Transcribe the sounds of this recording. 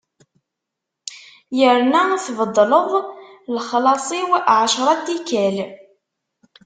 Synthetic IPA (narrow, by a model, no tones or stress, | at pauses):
jəɾnæθvəd̪ˤːləðˤlχlɑsˤiwʕaʃɾˤɑt̪ːikæl